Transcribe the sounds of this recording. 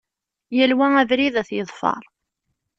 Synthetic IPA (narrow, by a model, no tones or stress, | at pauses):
jælwæævɾiðæθjəðˤfɑ̰ɾˤ